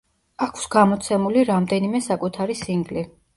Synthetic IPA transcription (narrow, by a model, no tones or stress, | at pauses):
akʰsɡamɔt̪sʰɛmuliɾamd̪ɛnimɛsakʼut̪ʰaɾisiŋɡli